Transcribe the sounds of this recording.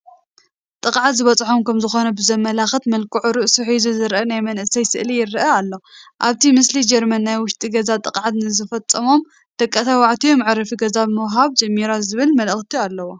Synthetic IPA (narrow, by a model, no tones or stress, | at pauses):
t̪ʼɨqʼʕat̪zɨβɐt͡sʼħomkʰɐmzɨxo̞nɐbɨzɐmːɐlaxɨt̪mɐlkʰuʕuɾɨʔsuħizuzɨɾʔɐnajmɐnʔɨsɐjsɨʔlijɪɾɨʔɐalːoʔaβt̪ʰimɨslid͡ʒɐɾmɐnːajwʊʃt̪ʼiɡɐzat̪ʼɨqʼʕat̪nɨzɨfɐt͡sʼːɐmo̞m | d̪̥ɐkʼːɐt̪ʰawaʕt̪ʰijomʕɾɐfiɡɐzabɨmɐwɦaβd͡ʒɐmːiɾazɨβɨlmɐlɨxt̪ʰialːɐwo